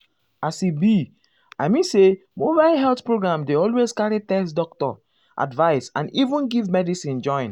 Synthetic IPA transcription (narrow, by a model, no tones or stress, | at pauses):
asibi | ajmĩnsemobaɪlɦɛltpɹoɡɹãmdeɔlwezkaɹitɛsdɔktɔ̰ | ʔa̰dvaɪsã̰nivũnɡivmɛdisĩnd͡ʒɔ̃ɪ̃n